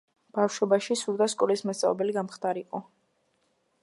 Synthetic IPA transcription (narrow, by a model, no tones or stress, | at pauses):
b̥afʃɔbaʃisuɾd̪askʼɔlismast̪sʼa̰vbɛliɡamχt̪aɾiqʼɔ